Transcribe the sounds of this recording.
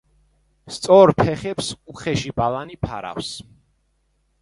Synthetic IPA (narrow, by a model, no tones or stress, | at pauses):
st̪sʼɔɾpʰɛχɛpsuχɛʃibalˠanipʰaɾa̰fs